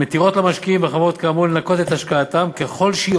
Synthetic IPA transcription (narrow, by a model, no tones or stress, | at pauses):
et̪iʁo̞t̪lamaʃkiimveχamʁot̪̚kaːmulenako̞t̪et̪haʃkaːt̪amke̞χo̞lʃi